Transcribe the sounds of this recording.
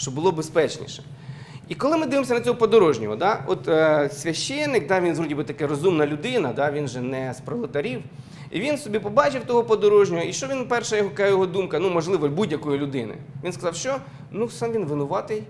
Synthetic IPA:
ʃt͡ʃɔbʊlˠɔbespɛt͡ʃnʲḭʃɛ̥ | ikɔlˠɪmɪd̪ɪʋɪmsʲɐnɐt͡sʲɔɦɔpɔd̪ɔɾɔʒnʲɔɦɔd̪ɑɔt̪sʲʋʲɐʃt͡ʃɛnːɪk̚d̪ɑʋʲinzɦɔdʲibɪt̪ɐkɛɾɔzumnɐlʲʊd̪ɪnɐd̪ɑʋʲinʒɛnɛspɾɔlˠet̪ɐɾʲiw | ḭʋʲinsɔbʲipɔbɑt͡ʃɪwt̪ɔɦɔpɔd̪ɔɾɔʒnʲɔɦɔiʃt͡ʃɔʋʲinpɛrʃɐjɔɦɔɐkajɔɦɔd̪umkɐnumɔʒlˠɪʋɔbudʲjɐkɔjilʲʊd̪ɪnɪ̰ʋʲinskɐzɑwʃt͡ʃɔ | nusɑmʋinʋɪnʊʋɑt̪ɪj

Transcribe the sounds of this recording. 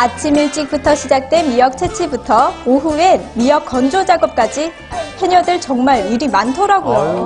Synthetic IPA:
at͡ɕʰimiɭt͡ɕ͈ik̚p͈utʰʌɕʰid͡ʑak̚t͈we̞nmijʌk̚t͡ɕʰet͡ɕʰibutʰʌoɦue̞mijʌk͈ʰʌnd͡ʑod͡ʑaɡʌp̚k͈ad͡ʑi | ɸweɲʌdɯɭt͡ɕʌŋmaɾiɾimantʰʌɾaɡoj

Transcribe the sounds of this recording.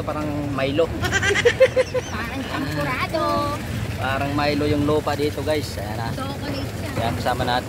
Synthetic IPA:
opaːɾaŋmajlo | paːɾɐŋkɐŋkʊɾaːd̪o | paːɾɐŋmajlojʊŋluːpad̪iːt̪oɡajsɐjanat̪okoni | kɐjakɐsaːmɐnaːt̪ɪ

